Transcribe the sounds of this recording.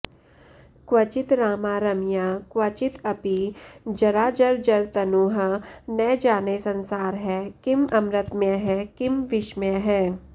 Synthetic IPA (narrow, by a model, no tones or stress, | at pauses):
kwɐt͡ʃɪt̪ɾaːmaːɾɐmjaːkwɐt͡ʃɪt̪ɐpid͡ʒɐɾaːd͡ʒɐɾd͡ʒɐɾt̪ɐnuːɦnɛd͡ʒaːnesɐ̃nsaːɾɦɛːkɪmɐmɾət̪mẽɦɛkɪmʋɪʃmẽɦɛː